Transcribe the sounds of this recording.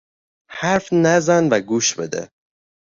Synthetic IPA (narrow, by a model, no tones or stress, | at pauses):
hæɾfnæzænvæɡuːʃbe̞̰d̪ḛ